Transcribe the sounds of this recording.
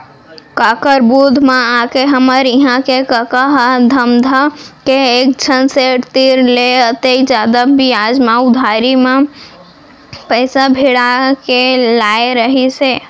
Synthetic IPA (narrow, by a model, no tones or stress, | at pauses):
kakəɾbud̪ʱmeãkeɦəməɾiɦãkekəkəɦd̪ʱəmd̪ʱəkeek̚d͡ʒʰʱənset̪iɾleət̪ed͡ʒjad̪abiad͡ʒmãʊd̪ʱaɾime | pəɪsabʱiɽakelaeɾəɦise